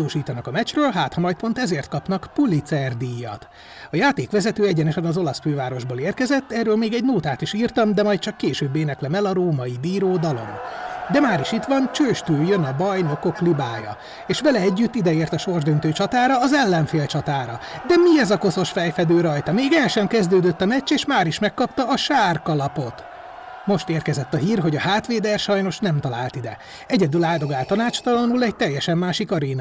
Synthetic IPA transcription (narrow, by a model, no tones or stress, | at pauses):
oːʃiːt̪ɒnɒkɒmɛt͡ʃrøːlɦaːt̪hɒmɒjt̪̚po̞nt̪ɛzeːrt̪̚kɒpnɒkpulit̪sɛrd̪ijːɒ̰t̪ | ɒjaːt̪eːkʋɛzɛt̪øːɛɟɛnɛʃɛnɒzo̞lɒsføːvaːɾo̞ʒboːleːrkɛzɛt̪ːɛrːøːlmeːɡɛɟnoːt̪aːt̪iʃiːrt̪ɒmd̪ɛmɒjt̪̚t͡ʃɒkːeːʃøːbːeːnɛklɛmɛlɒɾoːmɒid̪iːɾoːd̪ɒlo̞̰md̪ɛmaːɾiʃit̪ʋɒnt͡ʃøːʃt̪øːjønɒbɒjno̞ko̞klibaːjɒ̰ | eːʃʋɛlɛɛɟːyt̪ːid̪ɛeːrt̪ɒʃo̞rʒd̪ønt̪øːt͡ʃɒt̪aːɾɒːzɛlːɛɱfeːlt͡ʃɒt̪aːɾɒd̪ɛmiɛzɒko̞so̞ʃfɛjfɛd̪øːɾɒjt̪ɒmeːɡɛlʃɛmkɛzd̪øːd̪ø̞t̪ːɒmɛct͡ʃːeːʃmaːɾiʃmɛkːɒpt̪ɒːʃaːrkɒlɒpo̞t̪ | mo̞ʃt̪eːrkɛzɛt̪ːɒɦiːrɦo̞ɟɒhaːt̪ʋeːd̪ɛrʃɒjno̞ʃnɛmt̪ɒla̰ːlt̪id̪ɛ | ɛɟɛd̪ylaːd̪o̞ɡaːlt̪ɒnaːt͡ʃt̪ɒlɒnulɛɟt̪ɛjːɛʃɛmːaːʃikɒɾeːnɒ